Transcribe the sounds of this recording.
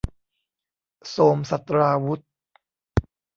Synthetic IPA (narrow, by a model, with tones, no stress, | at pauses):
soː˧msa˨˩t̪̚ɾaː˧wu˦˥t̪̚